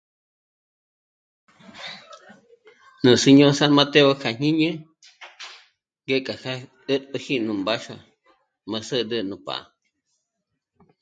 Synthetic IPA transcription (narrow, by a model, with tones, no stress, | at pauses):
nũ˨se˧ɲõ˦sa˦nma˦˧t̪e˦o˦kʰa˨ɲ̥ĩ˦ɲə̃˦ | ŋɡe˦kʼa˨ka˦ | ə˦t̪ə˧hi˦nũ˨mba˦ʃa̰˧ | mə̃˧sə˦d̪ə˧nũ˨pa̰˨a̰˨